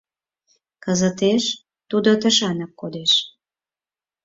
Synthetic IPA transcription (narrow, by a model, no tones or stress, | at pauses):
kəzət̪eʃ | t̪ud̪ot̪əʃɑnɑkːod̪eʃ